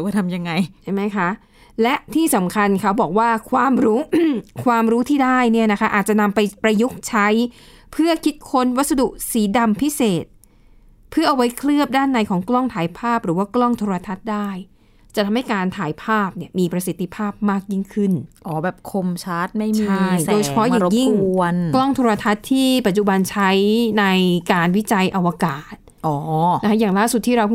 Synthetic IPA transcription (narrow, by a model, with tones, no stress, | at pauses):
wkaː˥˩t̪ʰa˧mja˧ŋːa˧jt͡ɕʰa˥˩ma˦˥jkʰa˦˥ | lɛ˦˥ʔt̪ʰiː˥˩sa˩˦mkʰa˧nkʰa˦˥wbɔː˨˩k̚waː˥˩kʰwaː˧mɾuː˦˥kʰwaː˧mɾuː˦˥t̪ʰiː˥˩daː˥˩jni˥˩ɐna˦˥kʰa˦˥ʔaː˨˩t̪̚t͡ɕa˨ʔna˧mpa˧jpɾa˧ju˦˥k̚t͡ɕʰa˦˥j | pʰɯ˥˩ɐkʰi˦˥t̪̚kʰo˧˥nwa˦˥t̪̚sa˧du˨˩ʔsiː˩˦da˧mpʰi˦˥seː˨˩t̪̚ | pʰɯ˥˩ɐʔa˧wa˦˥jkʰlɯ˥˩əp̚daː˥˩nːa˧jkʰɔː˩˦ŋklɔ˥˩ŋt̪ʰaː˩˦jpʰaː˥˩p̚ɾɯː˩˦waː˥˩klɔ˥˩ŋt̪ʰoː˧ɾa˧t̪ʰa˦˥t̪̚daː˥˩j | t͡ɕa˨˩t̪ʰa˧mha˥˩jkaː˧nt̪ʰaː˨˩˦jpʰaː˥˩p̚ni˥˩əmiː˧pɾa˧si˨˩t̪ʰːi˧˩pʰaː˥˩p̚maː˥˩k̚ji˥˩ŋkʰɯ˥˩nʔɔː˨˩˦bɛː˨˩p̚kʰo˧mt͡ɕʰa˦˥t̪̚ma˥˩jt͡ɕmia˥˩jdoː˧jt͡ɕʰa˧pʰɔ˦˥ʔaː˨˧˩ji˥˩ŋu˧ənklɔ˥˩ŋt̪ʰoː˧ɾa˧t̪ʰa˦˥t̪ʰːiː˥˩pa˨˩t̪̚t͡ɕu˨˩ba˧nt͡ɕʰa˦˥jna˧jkaː˧nwi˦˥t͡ɕa˧jʔa˧wa˧kaː˨˩t̪̚nʔɔː˩˦n˦˥kʰa˦˥jaː˨˩ŋlaː˥˩su˨˩t̪̚ʰːiː˥ɾa˧w